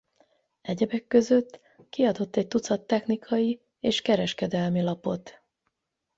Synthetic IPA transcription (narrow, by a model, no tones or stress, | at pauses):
ɛɟɛbɛkːø̞zø̞t̪ː | kiɒd̪o̞t̪ːɛc̚t̪ut̪sɒt̪ːɛxnikʰɒji | eːʃkɛɾɛʃkɛd̪ɛlmilɒpo̞t̪